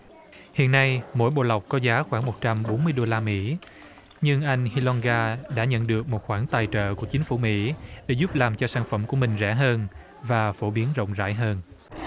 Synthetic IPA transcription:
hḭ˧˨ənːa˧jmo̰˧˥˨jɓo̰˧˨la˨˩wk͡p̚kɔ˨˦zaː˨˦xwaː˧˩ŋmo˨˩t̚t͡ɕa˧mɓo˨˦nmɨ˧əjɗo˧laː˧mḭ˧˥ | ɲɨ˧ŋʔa˧jŋ̟hi˧lɔ˧nɣaː˧ɗa̰ː˧˥ɲə̰˧˨nɗɨ˨˩ək̚mo˨˩t̚xwaː˧˩ŋt̪aː˨˩jt͡ɕə̰ː˧˨ku˧˩ət͡ɕi˨˦ŋ̟fu˧˩mḭ˧˥ɗe˧˩˦zʊ˦˥p̚laː˨˩mt͡ɕɔ˧saː˧˩nfə˧˩mku˧˩əmï˨˩ŋ̟zɛ˧˩ɦəː˧n | vaː˨˩fo˧˩ɓi˨˦ənzə̰˧˨wŋ͡mza̰ː˧˥˩jɦəː˧n

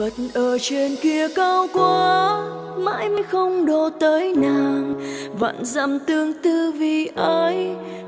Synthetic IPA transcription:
və˨˩t̚nʔəː˨˩t͡ɕe˧˩nki˧əkaː˧wkwa˨˧˩ | ma̰ː˧˥jma˧˥jxə˧wŋ͡mɗo˨˩t̪əː˨˦jnaː˨˩ŋva̰ː˧˨nza̰˧mt̪ɨ˧əŋt̪ɨ˧vi˨˩ʔə˨˧j

